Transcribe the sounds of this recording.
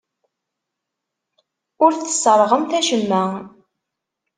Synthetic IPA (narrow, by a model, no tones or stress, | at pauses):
ʊɾθə̥səɾˤʁəmθæʃəmːæ